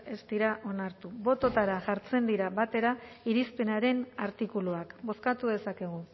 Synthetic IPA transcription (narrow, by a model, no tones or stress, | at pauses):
e̞st̪iɾaʔo̞naɾt̪uβo̞t̪o̞t̪aɾaʝaɾt͡se̞nd̪iɾaβat̪e̞ɾa | iɾispe̞naɾe̞naɾt̪ikuluakbo̞skat̪uðe̞sake̞ɣ̞u